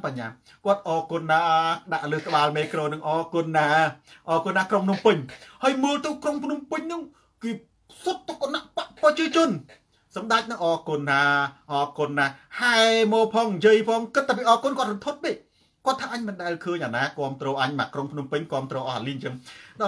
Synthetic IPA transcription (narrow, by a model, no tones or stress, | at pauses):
paɲːaː | kŏət̪̚ʔɑːkonːaːɗaʔlɨːht̪ə̆ɓaːlmeːkrɔːnɨŋʔɑːkʊ̆nːaːʔɑːkonːaːkrompʰnumpɨɲhəːjməːlt̪ɨwkrompʰnumpɨɲnɨŋ | kɨː | sot̪̚ːokːanaʔpaʔprɑt͡ɕiət͡ɕʊ̆ən | sɑmɗac̚nɨŋʔɑːkʊnʰaːʔɑːkʊnːahaɛmɔːpʰɑːŋɲjəəjpʰɑːŋkɨt̪ʰːaːp̬iːʔɑːkonkoət̪̚rot̪ʰot̪̚ɓeː | koət̪ʰːaːʔaɲmɨnɗaɛlkʰəːɲʔaːnaːkŏəmt̪rɔːʔaɲma̰ːʔkrompʰnumpɨɲkŏəmt̪rɔːʔɑhaliːɲt͡ɕɨŋɗ